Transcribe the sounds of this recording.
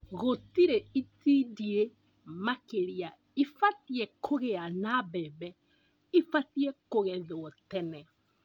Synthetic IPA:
ɣotiɾeitidie | makeɾia | ifatiɛkʰoɣeanabɛːbɛ | ifatiɛkoɣɛðoɔtɛnɛ

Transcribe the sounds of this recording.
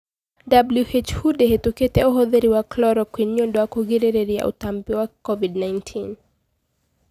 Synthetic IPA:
dabluʔet͡ʃhudeɦetuketɛuɦɔðiɾiwaklɔɾɔkwinɔndɔakuɣiɾɛɾɛɾia̰ʔṵtambiwakɔvidnajntʰin

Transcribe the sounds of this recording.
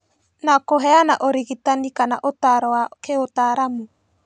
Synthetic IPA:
nakoɦɛanaʔoɾiɣitanikana̰ʔotaɾɔakeotaɾamu

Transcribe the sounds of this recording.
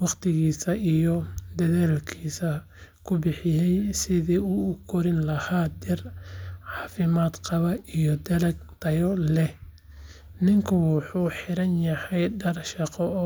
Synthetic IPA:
wɑqt̪ʰɪɣiːsɐʔijɔd̪ɐðaːlkʰiːsɐ | kʰʊbɪħɪjɛjsɪðiːʊʊkʰɔɾɪnlɐhaːd̪ɛrʕɑːfɪmaːd̪qɑβɐʔijɔd̪ɐlɐɡ̚t̪ʰɐjɔlɛ | nɪŋkʰʊwɑħuːħɪɾɐnjɐhɛjɖɐrʃɑqɔ

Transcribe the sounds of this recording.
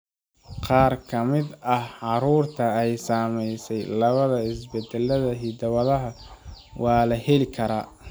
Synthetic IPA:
qɑːrkʰɐmɪd̪ɐhʕɑɾuːrt̪ʰɐɛjsaːmɛjsɛjlɐβɐðɐɪsbɛd̪ɛlɐðɐɦid̪ɐβɐðɐɦɐ | wʔɑːlɐhɛlɪkʰɐɾaː

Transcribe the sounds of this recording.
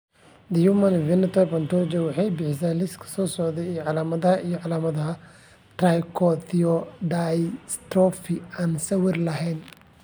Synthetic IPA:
d̪ɐjumɐnvɪnɐt̪ʰɔbɐnt̪ɔɾd͡ʒɐwɑħɑjbɪħɪsɛlɪskʰɐ̥sɔːsɔʕðɛijʕɑlaːmɐðɐhɐʔijɔʕɑlaːmɐðɐɦɐ | t̪rajkʰɔθiɔdajst̪ɾɔfɪaːnsɐwɪrlɐɦɛjn

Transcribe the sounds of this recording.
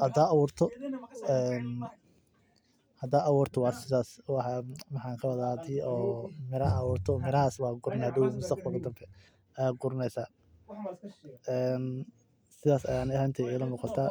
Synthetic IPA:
hɐd̪aːɐwuːrt̪ʰɔɛːn | hɐd̪aːʔɐwuːrt̪ʰɔwɑːrsɪðaːswɑħɑmɐħɑːŋkʰɐwɐðad̪ɪɔːmɪɾɐwuːrt̪ʰɔmɪɾɐɦaːswɑːɡʊrnad̪ɪwmʊst̪ʰɐqbɐld̪ɐmbʰɛ | ɐjaːɡʊɾnɛsaː | ɛːn | sɪðaːsɐ̰jaːnɛhɐnt̪ʰɛɛjlɐnuːqɑt̪ʰaː

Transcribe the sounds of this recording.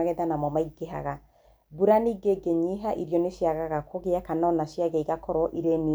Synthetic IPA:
ɣɛðanamɔmaiɡeɦa̰ɣa | buɾaniːɡeɡeɲiɦaʔiɾjɔneʃjaɣaɣakʰoɣeakanaɔnaʃjaɣɛiɣakʰɔɾɔʔiɾeni

